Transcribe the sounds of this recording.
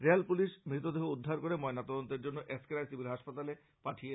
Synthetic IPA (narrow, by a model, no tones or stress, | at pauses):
ɾealpuliʃmɾit̪od̪eɦoud̪ʱːaɾkoɾemɔenat̪ɔd̪ont̪eɾd͡ʑonːoʔeskeɾajsibʱiɾɦaʃpat̪ale | paʈʰie